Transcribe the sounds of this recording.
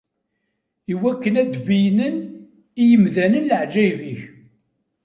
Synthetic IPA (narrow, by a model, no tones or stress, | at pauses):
iwækːənæd̪vijnən | ijəmðænənləʕd͡ʒæjviç